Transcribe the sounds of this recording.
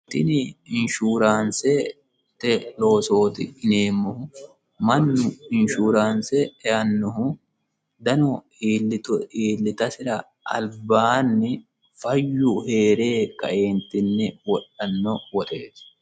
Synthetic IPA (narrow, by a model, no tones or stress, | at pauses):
t̪ɪnɪɪnʃuːɾaːnsɛ | t̪ɛlo̞ːso̞ːt̪ɪɪne̞ːmːɔhʊ | mɐnːʊɪnʃuːɾaːnsɛɛjɐnːɔhʊ | d̪ɐnɔ | iːlɪtiːlːɪt̪ɐsɪɾɐ | ɐ̰lbaːnːɪ | fɐjːʊhe̞ːɾe̞ːkʼːɐ̰ʔeːnt̪ːɪnːɛwɔɗɐnːɔwɔt̪ʼeːs